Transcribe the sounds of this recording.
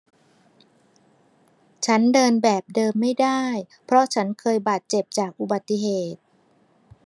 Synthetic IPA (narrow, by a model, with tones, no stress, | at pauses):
t͡ɕʰa˦˥ndɤː˧nbɛː˨˩p̚dɤː˧mːa˥˩jda˥˩j | pʰɾɔ˦˥t͡ɕʰa˦˥nkʰɤː˧jbaː˨˩t̪̚t͡ɕe˨˩p̚t͡ɕaː˨˩k̚ʔu˨˩ba˨˩t̪ːi˨˩ɦeː˨˩t̪̚